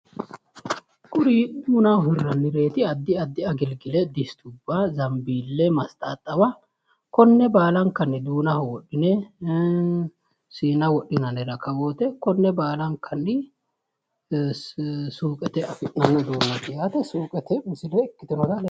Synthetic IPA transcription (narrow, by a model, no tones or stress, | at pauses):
kʼʊɾiːdd̪uːnɐɦɪrːɐnːɪɾe̞ːt̪ɪɐd̪ːɪɐd̪ːɪɐɡɪlɡɪlɛd̪ɪst̪ʰʊbːazɐmbiːlːɛmɐst̪ʼaːt̪ʼːɐwɐ | kɔnːɛbaːlɐŋkɐnːɪd̪uːnɐhwɔɗːɪnɛ | siːnɐwɔɗɪnɐnɛɾɐkɐwo̞ːt̪ɛkɔnːɛbaːlɐŋkʰɐnːɪ | suːkʼɛt̪ɛɐfɪʔnɐnːɐd̪uːnːɐt̪ɪjaːt̪ɛsuːkʼɛt̪ɛmɪsɪlɛɪkːɪt̪ɪnɔd̪ɐl